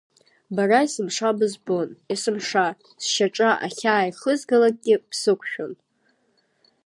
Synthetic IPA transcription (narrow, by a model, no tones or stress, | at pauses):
baraisɨmʂabɨzbonisɨmʂa | sʃaʈ͡ʂʼaʔa̰χʲaːjiχəzɡalak̚ʼɡʲɪpʰsɨkʷʰʃᶣon